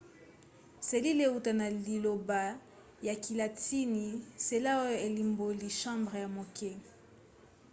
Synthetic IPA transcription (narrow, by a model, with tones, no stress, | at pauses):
se˨li˦le˨u˨ta˨na˨li˨lo˨ba˨ | ja˨ki˨la˨ti˦ni˨se˨la˦o˦jo˦e˨li˨mbo˨li˨ʃɑ̃˦mbʁe˨ja˨mo˨ke˦